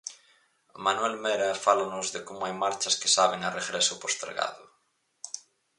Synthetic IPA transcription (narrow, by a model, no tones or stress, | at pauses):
manuɛlmeɾɐfalanʊzðekomʊajmaɾt͡ʃɐskɪsaβ̞eŋareɣɾesʊpost̪ḛɾɣa̰ðʊ